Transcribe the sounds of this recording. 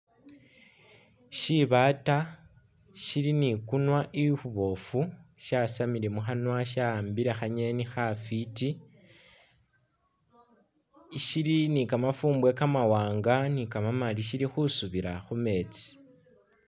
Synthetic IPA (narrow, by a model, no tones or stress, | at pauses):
ʃiβaːta | ʃiɾinikunwaʔixuβo̞fuʃasamiɾemuxanwaʃambiɾe̞xaɲe̞nixafiti | ʃilinikamafuːmbwe̞kamawaːŋɡanikamamaliʃiɾixusuβiɾa̰xume̞ːt͡si̥